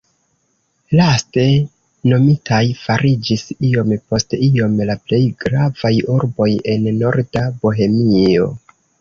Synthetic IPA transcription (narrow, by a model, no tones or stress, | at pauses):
laste̞ | no̞mitajfaɾid͡ʒisio̞mpo̞stio̞mlaple̞jɡɾavajuɾbo̞je̞nːo̞ɾdaboɦe̞mio̞̰